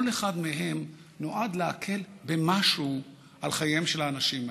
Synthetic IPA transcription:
leχad̪meɦe̞m | no̞ʔad̪leakʰe̞lbe̞maʃu | ʔalχajemʃelaːnaʃima

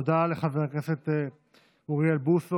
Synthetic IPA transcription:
d̪aleχaveʁkeset̪e | uʁialbuso

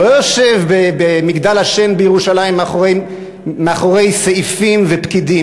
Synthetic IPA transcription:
ojoʃevbebemiɡd̪alhaʃe̞nbejeʁuʃalaim | meaχoʁe̞jseʔifimvepkid̪i

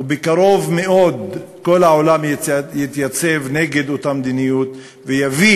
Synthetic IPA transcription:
ubekaɾo̞vmeʔo̞d̪ko̞laʕolamjjit̪jat͡se̞vneɡe̞d̪ot̪amd̪inijut̪ | vejavi

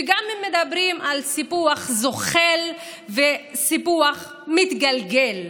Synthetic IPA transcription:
eɡamhemːed̪abʁimʔalsipuaχzoχel | vesipuaχ | mit̪ɡalɡel

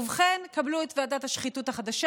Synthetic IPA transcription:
uvχenkabluetveadathaʃχituthaχad̪aʃa

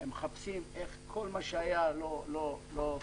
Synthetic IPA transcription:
emeχapsimeχkʰolmaʃeajalololo

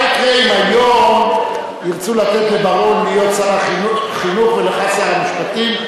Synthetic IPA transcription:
akʁeimajom | jiʁt͡sulat̪etlebaʁo̞nmijott͡saʁaχinuχveleχat͡siaʁamiʃpat̪im

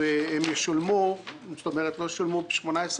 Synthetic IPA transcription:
eemjeʃulmust̪omeʁet̪lojeʃulmube̥ʃmonaes

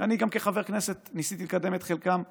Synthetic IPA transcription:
aniɡamkeχaveʁkne̞se̞t̪nisit̪ilekad̪e̞met̪χelkam

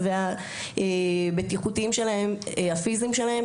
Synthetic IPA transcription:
vea | ʔebetiχutiimʃe̞laɦe̞mhafizimʃe̞lahe̞

